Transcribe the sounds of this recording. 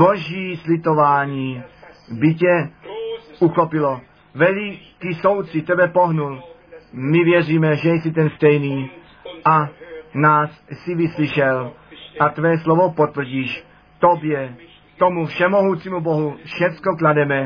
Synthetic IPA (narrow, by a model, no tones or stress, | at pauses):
bɔʒjiːslit̪ɔʋaːɲiːbicɛ | uxɔpilɔ | ʋɛʎkisɔwt̪sit̪ɛbɛpɔɦnulmiʋɪɛriːmɛʒɛjɛsit̪ɛnst̪ɛjniː | anaːssiʋisliʃɛlat̪ʋɛːslɔʋɔpɔt̪ʋ̩ɟiːʃ | t̪ɔbjɛ | t̪ɔmufʃɛmɔɦuːt͡simubɔɦufʃɛt͡skɔklad̪ɛmɛ